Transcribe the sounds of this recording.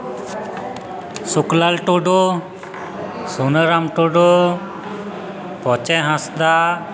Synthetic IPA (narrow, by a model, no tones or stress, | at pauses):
suklalʈɔɖɔ | sunəɾamʈɔɖɔ | pɔt͡ʃɛɦãsd̪a